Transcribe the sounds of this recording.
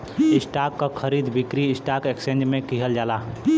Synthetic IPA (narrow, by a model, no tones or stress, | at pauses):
ɪsʈaːkːakʰəɾiːd̪bɪkɾiɪsʈaːkeksẽːnd͡ʒmẽkiɦəld͡ʒaːlaː